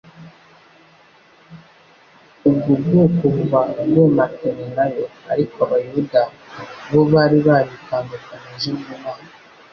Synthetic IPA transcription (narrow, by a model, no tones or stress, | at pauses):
uɡuɡukuvaɡematʰenenajoa̰ɾikoaβajuda | βoβaɾiβaβikaːndukaɲezimuma